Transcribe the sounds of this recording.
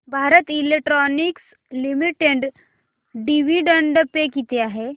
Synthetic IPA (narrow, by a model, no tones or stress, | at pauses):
bʱaɾət̪ilek̚ʈɾɔniks | limiʈeɖ | ɖiʋiɖəɳɖəpekit̪eaɦe